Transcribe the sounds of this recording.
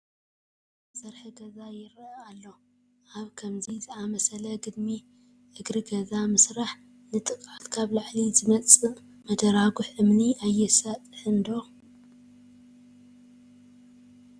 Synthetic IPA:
sɐɾħiɡɐzajɪɾalːo̞ | ʔaβkʰɐmzizɨamɐsɐlɐɡɨd̪mi | ʔɨɡɾɨɡɐzamɨsɾaħ | nɨt̪ʼɨkʼat̪ʼkʰaβlaʕlizɨmɐt͡sʼɨ | mɐd̪ɐɾaɡʊħʔɨmniajːɛsat̪ʼħɨnd̪o̞

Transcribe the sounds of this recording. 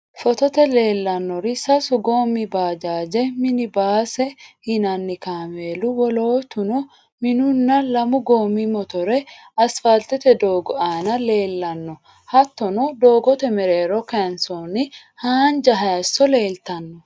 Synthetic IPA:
fɔt̪ɔt̪ɛle̞ːlːɐnːɔɾɪsɐsʊɡoːmːɪbaːd͡ʒaːd͡ʒɛmɪnɪbaːsɛhɪnɐnːɪkaːmeːlʊwɔloːt̪ʊnɔ | mɪnʊnːɐlɐmʊɡoːmimɔt̪ɔɾɛ | ɐsfɐlt̪ɛt̪ɛd̪oːɡɔʔaːnɐle̞ːlːɐnːɔ | hɐt̪ːɔnɔd̪o̞ːɡɔt̪ɛmɛɾeːɾɔkɛnsoːnɪ | haːnd͡ʒɐɦaːsːɔle̞ːlt̪ɐnːɔ

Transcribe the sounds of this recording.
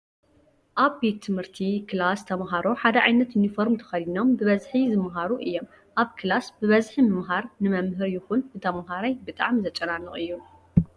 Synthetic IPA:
ʔaβbet̪ʰːɨmhɨɾt̪ʰikʰɨlast̪ʰɐmɦaɾo̞ħad̪ɐʕajnɐt̪junifoɾmt̪ʰɐ̥xɐlinombɨβɐzħizɨmɦaɾuʔɨjːo̞m | ʔaβkʰɨlasbɨβɐzħimɨmɦaɾnɨmɐmɦɨɾjɪxunbɨt̪ʰɐmɦaɾajbɨt̪ʼaʕmizɐt͡ʃʼɐnanːɨχʼɨjːu

